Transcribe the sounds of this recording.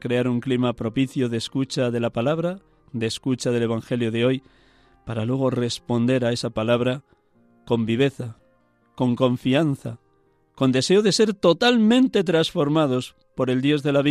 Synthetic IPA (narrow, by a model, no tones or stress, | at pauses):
kɾe̞aɾuŋklimapɾo̞piθjoðeskut͡ʃaðe̞lapalaβ̞ɾa | d̪e̞skut͡ʃað̞e̞le̞β̞aŋxe̞ljo̞ðeo̞j | paɾalwe̞ɣ̞o̞re̞spo̞nd̪e̞ɾae̞sapalaβ̞ɾa | ko̞mbiβ̞e̞θa | ko̞ŋko̞ɱfian̟θa | ko̞nd̪e̞se̞oðe̞se̞ɾt̪o̞t̪almẽnt̪e̞t̪ɾasfo̞ɾmað̞o̞s | po̞ɾe̞ld̪jo̞zðe̞laβi